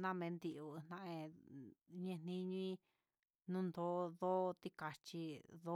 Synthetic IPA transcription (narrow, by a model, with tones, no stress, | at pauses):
nã˦˧mẽ˧˦nd̪i˧ʔu˧˨˧nã˧ʔẽ˧ | ɲẽ˧n̥ĩ˧ɲũ˧ĩ˦ | nũ˦nd̪o˦ðo˦t̪i˧ka˧t͡ʃi˧ðo˦